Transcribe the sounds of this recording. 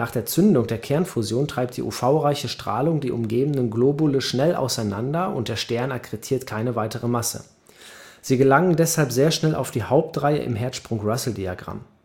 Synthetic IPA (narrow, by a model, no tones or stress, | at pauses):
naːχd̥eːɐt͡sʏndʊŋdeːɐkʰɛɐnfuzjoːntʁ̥aɪp̚td̥ḭːʔṵfaʊʁaɪçəʃtʁ̥a̰ːlʊŋdiːʔʊmɡeːbn̩nənɡloːbʊləʃnɛlʔa̰ʊsaɪnandɐʔʊ̰nt̚d̥eːɐʃtɛɐnakʁ̥etʰiːɐtkʰaɪnəvaɪtəʁəmasə̰ | z̥iːɡəlaŋəndɛshalpz̥eːɐʃnɛlʔa̰ʊfd̥iːhaʊp̚tʁaɪə̰ʔɪ̰mɦɛɐtʃpʁ̥ʊŋʁasl̩dia̰ɡʁa̰m